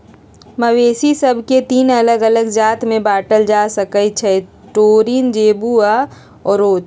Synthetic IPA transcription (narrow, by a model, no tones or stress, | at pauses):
məweːsisəbʱket̪iːnələɡələɡd͡ʒaːt̪mẽbaːʈəld͡ʒasəkət͡ʃʰɛ | ʈoːɾiːnd͡ʒeːbua | ɔːɾoːt͡ʃ